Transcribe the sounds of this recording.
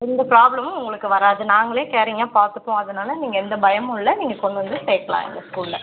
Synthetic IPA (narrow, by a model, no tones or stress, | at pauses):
ɪnd̪ɐpɪɾaːbɭɐmʊ̃ʊŋɡɐɭɯkːɯʋɐɾaːðɯnaːŋɡɐɭeːkeːɾɛːŋɡɐpaːɾt̪ɯpːõːɐðɯnaːlɐniːŋɡɐɛnd̪ɐbɐjɐmʊɭːɐniːŋɡɐkɔɳɖɐnd̪ɯseːʈːɐlã̰ːɪ̰nd̪ɐskuːlːɛ